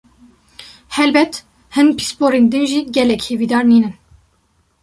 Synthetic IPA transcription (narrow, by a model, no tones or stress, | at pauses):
hɛlbɛt̪ | hɨnpʰi̥spoːɾeːnd̪ɨnʒiːɡɛlɛkheːviːd̪ɑːɾniːnɨn